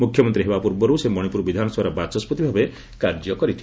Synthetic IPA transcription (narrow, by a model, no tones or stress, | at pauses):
mukʰjɔmɔnt̪ɾiɦebapuɾbɔɾusemɔɽ̃ipuɾbid̪ʱanɔswaɾɔbat͡ʃɔsput̪ibʱabe | kaɾd͡ʒjɔkɔɾit̪ʰi